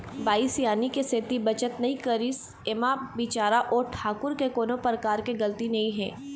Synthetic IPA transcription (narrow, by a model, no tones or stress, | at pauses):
baːisjaːnikeset̪ibɐt͡ʃət̪nɐɦĩkɐɾiːs | ɪmabiːt͡ʃaːɾaʔɔːɾʈʰaːkʊɾkekoːnõpɾəkaːɾkeɡɐlt̪inɐɦĩɦɛ̰̃ː